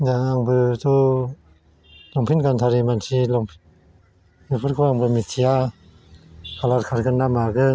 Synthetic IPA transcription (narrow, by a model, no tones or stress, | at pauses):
d͡ʒaŋaŋbɯtu | loŋpʰinkant̪ʰaɾimant͡ʃʰiloŋpʰ | mipʰɯt̚kʰuaŋbɯmit͡ʃʰia | kalatkʰaɾkʰɯndamakɯ